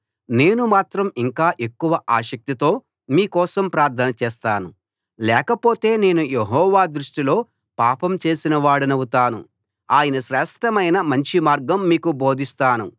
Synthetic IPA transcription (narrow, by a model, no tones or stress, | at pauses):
ne̞ːnumaːt̪ɾɐmiŋkaːʔekːuʋɐʔaːʃɐk̚t̪it̪o̞ː | miːkɔːsɐmpɾaːɾt̪ʰɐnɐt͡ʃɛːst̪aːnu | lɛːkɐpo̞ːt̪e̞ːne̞ːnujeɦɔːʋaːd̪ɾuʂʈilo̞ː | paːpɐmt͡ʃe̞ːsinɐʋaːɽunɐwut̪aːnṵ | aːjɐnɐʃɾɛːʂʈɐmɐjnɐmɐɲt͡ʃimaːɾɡɐmːiːkubo̞ːd̪ʱist̪aːnu